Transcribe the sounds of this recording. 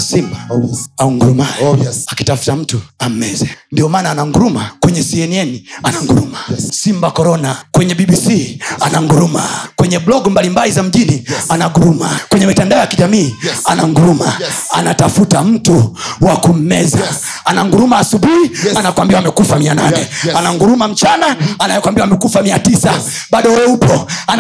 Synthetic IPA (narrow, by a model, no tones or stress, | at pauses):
simbaauŋɡuɾumajakitafu̥tam̩tuam̩mɛzɛndiɔmaːnaːnaŋɡuɾumakwɛɲɛsiɛniɛnianaŋɡuɾumasimbakɔɾɔnakwɛɲɛɓiɓisianaŋɡuɾuma̰kwɛɲɛblɔɡmbalimbalizam̩ʄinianaɡuɾuma̰kwɛɲɛmitandaɔjakiʄamiːanaŋɡuɾumaa̰natafutam̩tuwakum̩mɛza | anaŋɡuɾumaːsuɓuhianakwambiwaamɛkufamiananɛanaŋɡuɾumam̩t͡ʃanaanaɛkwambiwamɛkufamiatisa | ɓaɗɔɛɛupɔan